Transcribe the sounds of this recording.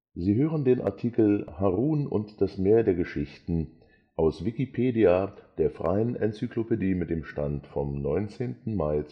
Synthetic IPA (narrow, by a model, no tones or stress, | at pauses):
ziːɦøːʁ̞əndeːnʔa̰ɐtʰikl̩haʁuːnʊ̰ntd̥asmeːɐdeːɐɡəʃɪçtn̩ | ʔaʊsv̥ikipʰeːdiad̥eːɐfʁ̥a̰ɪənʔɛnt͡syklopediːmɪt̚d̥eːmʃtantfɔmnɔʏnt͡seːntn̩maɪt͡s